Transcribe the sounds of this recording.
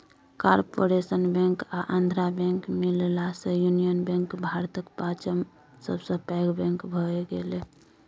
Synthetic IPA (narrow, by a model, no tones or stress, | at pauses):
kaɾpoɾesənbɛ̃ŋkaʔãnd̪ʱɾabɛ̃ŋkmillasə̃junijənbɛ̃ŋkbʱaɾt̪əkpat͡ʃəm | səbʱsə̃pɛɡbɛ̃ŋkbʱɔeɡele